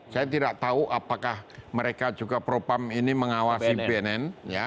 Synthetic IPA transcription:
sajat̪idaʔ̚t̪auʔapakahməɾekad͡ʒuɡapɾopaminiməŋawasibeɛnɛnja

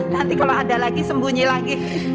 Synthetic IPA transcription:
nant̪ikaloadalaɡisəmbuɲilaɡi

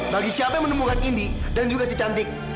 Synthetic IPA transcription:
baɡiʃiapɛmənəmbukanindidand͡ʒuɡasit͡ʃant̪ɪk̚

